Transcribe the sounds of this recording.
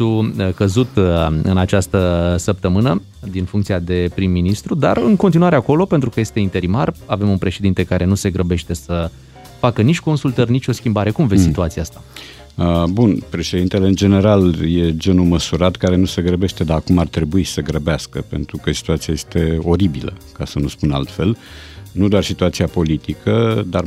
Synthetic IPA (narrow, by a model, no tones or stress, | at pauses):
ukəzut̪ɨ̰nat͡ʃast̪əsəp̚t̪əmɨnə | d̪infuŋkt̪siad̪e̞pɾimːinist̪ɾud̪a̰rɨŋko̞nt̪̬inuwaɾe̞ako̞lo̞pe̞nt̪ɾukəje̞st̪e̞int̪e̞ɾimarave̞munpɾe̞ʃe̞d̪int̪e̞kaɾʔe̞nuse̞ɡɾəbe̞ʃt̪e̞sə | fakənit͡ʃʲko̞nsult̪ərʲnit͡ʃʲo̞skʲimbaɾe̞kumvessit̪uat̪siaast̪a | əbunpɾe̞ʃe̞d̪int̪e̞le̞ɨnd͡ʒe̞ne̞ɾalje̞d͡ʒe̞numəsuɾat̪kaɾe̞nuse̞ɡɾəbeʃt̪e̞d̪aakumart̪ɾe̞buisəɡɾəbeaskəpe̞̰nt̪ɾukəsi̥t̪uat̪siaje̞st̪e̞o̞ɾibilə̰kasənuspuna̰lt̪fe̞l | nud̪oarsit̪uat̪siapo̞lit̪ikʰəd̪ar